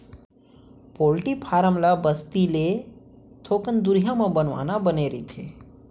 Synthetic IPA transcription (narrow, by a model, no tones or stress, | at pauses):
poːlʈipʰaːɾəmlabəst̪ile | t̪ʰoːkənd̪ʊɾjamãbənʋa̰ːnabəneːɾit̪ʰeː